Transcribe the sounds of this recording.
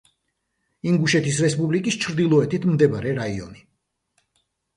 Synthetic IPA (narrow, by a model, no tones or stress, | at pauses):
iŋɡuʃɛt̪ʰisɾɛspʼublikʼist͡ʃʰɾd̪ilˠɔɛt̪ʰit̪ʰmd̪ɛbɾɛɾaiɔ̰ni